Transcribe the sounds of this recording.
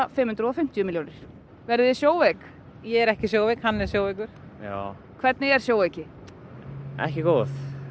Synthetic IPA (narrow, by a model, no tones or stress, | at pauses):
fɪmhʉnt̪ɾɔfɪm̥t̪jʏmiljoːwnɪɾ̥ | vɛɾðɪɪsjoːwvek | jɛɛɾɛhcɪsjoːwvekhanːɛ̥sjowvekʏɾ̥ja̰ː | kʰvɛɾt̪nɪɛɾ̥sjoːwvecɪ | ɛ̰hcɪkoːθ